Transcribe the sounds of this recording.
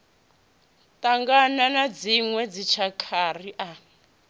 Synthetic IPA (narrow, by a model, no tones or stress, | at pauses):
tʼaŋɡananad͡ziŋwɛd͡zit͡ʃʰakʰariʔa